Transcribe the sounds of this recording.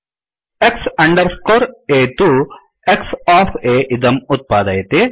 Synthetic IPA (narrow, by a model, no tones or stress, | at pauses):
eksɐɳɖɐɾskoːɾeːt̪u | eksaːpʰeːʔid̪ɐmut̪̚paːd̪ɐjɐt̪e